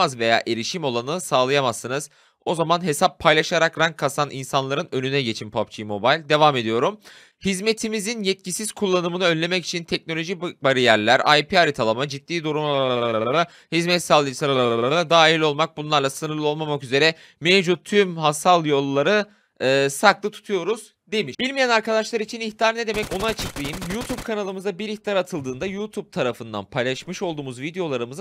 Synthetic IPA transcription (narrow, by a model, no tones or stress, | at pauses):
azve̞ja̰ːʔe̞ɾiʃimo̞lˠanɯnɯsaːlˠajamasːɯnɯz̥ | o̞zamanɦe̞sapʰːajlˠaʃaɾakɾaŋkʰːasaninsanlˠaɾɯnø̞nynɛɟe̞t͡ʃʰinpʰap̚t͡ʃʰijmo̞bajlʲd̪e̞vaːme̞d̪ijo̞ɾum | hizme̞t̪ʰimizinjɛt̪̚cisiz̥kʰulˠːanɯmɯnɯønlʲe̞mɛci̥t͡ʃʰint̪ʰɛc̚no̞lʲo̞ʒibaɾijæɾlʲæɾa̰jpiaɾit̪ʰalˠamad͡ʒit̪ːiːd̪uɾum | hizmɛt̪salˠːɯsaɾaɾnad̪aːɦilʲo̞lˠmak̚bunlˠaɾlˠasɯnɯɾlˠɯo̞lˠmamakyze̞ɾɛ | mevd͡ʒut̚t̪ʰːymhasalˠjo̞lˠːaɾɯ | ɯːsaklˠɯt̪ʰu̥t̪ʰujo̞ɾuz | d̪e̞miʃb̥ilʲmijænaɾkad̪aʃlˠaɾit͡ʃʰiniçt̪ijaɾned̪e̞mɛco̞naat͡ʃʰɯklˠɯjɯmjut̪ʰub̚kʰanalˠɯmɯzabiɾiçt̪aɾat̪ʰɯlˠd̪ɯːnd̪ajut̪ʰub̚t̪ʰaɾafɯnd̪a̰npʰajlˠaʃmɯʃo̞lˠd̪uːmuzvid̪ejo̞lˠaɾɯmɯz